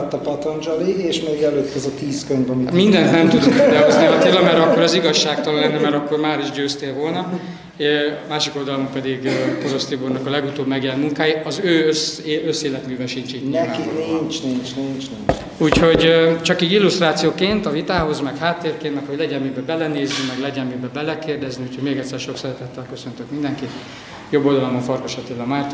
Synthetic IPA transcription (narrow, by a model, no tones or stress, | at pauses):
t̪ːɒpɒt̪ond͡ʒɔlieːʃmeːɡɛløːt̪ːɛzɒt̪iːskøɲvɛmimind̪ɛnt̪nɛmt̪ud̪oɛd̪ɛɦozniɦɒt̪eːlːɒmɛɾɒkːoɾɒziɡɒʃːaːkt̪ollɛnːɛmɛɾɒkːo̞rmaːɾiʒɟøːst̪eːlvo̞lnɒ | maːʃiko̞ld̪ɒlompɛd̪iɡpoɾo̞st̪iburnɒkɒlɛɡut̪oːbmɛɡjɛlɛnmuŋkaːjiɒzøːøsøsːeːlɛt̪myːvɛnʃint͡ʃiːɟɲianint͡ʃnint͡ʃnint͡ʃni | uːcho̞ɟt͡ʃɒkiːɡilːust̪raːt̪sijoːkeːnt̪ɒvit̪aːɦo̞zmɛkhaːt̪ːeːrkeːnt̪mɛkho̞ɟlɛɟɛmːibɛbɛlɛneːzːymɛɡlɛɟɛmmibɛbɛlɛkeːrd̪ɛzniuːchoɟmeːɡɛt̪sːɛrʃo̞ksɛɾɛt̪ɛt̪ːɛlkøsø̞nt̪økmind̪ɛŋkit̪ | jo̞bːo̞ld̪ɒlomoɱfɒrko̞ʃɒt̪eːlɒmaːrt̪